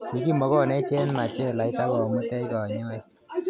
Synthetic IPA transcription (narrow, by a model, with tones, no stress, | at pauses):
ki˨ki˦mɔ˨˦kɔ˦˨nɛ˦t͡ʃɛ˦nma˨t͡ʃɛ˦˨la˨jta˦kɔ˨mu˦tɛ˦ikɔ˨ɲɔ˦i˦